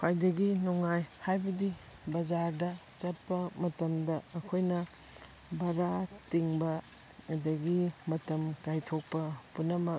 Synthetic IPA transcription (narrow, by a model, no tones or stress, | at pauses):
kʰajdɐɡinuŋajhajbɐdi | bɐd͡ʒaɾdɐ | t͡ʃɐt̚pɐmɐtɐmdɐɐkʰojnɐ | bɐɾatiŋbɐ | ɐdɐɡimɐtɐmkajtʰok̚pɐpunɐmɐ